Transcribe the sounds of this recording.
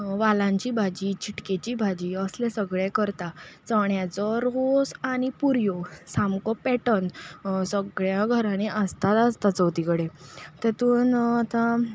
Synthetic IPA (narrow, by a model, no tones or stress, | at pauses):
ʋalãɲt͡ɕiːbʱad͡ʑiːt͡ɕiʈket͡ɕiːbʱad͡ʑiːəslesəɡɭẽkəɾt̪at͡səɳjat͡sɔɾosaɽipuɾjosamkɔpɛʈənsəɡɭjaɡʱəɾãneʔəst̪at̪ast̪at͡səwt̪ikəɽet̪ɛt̪uːnat̪ã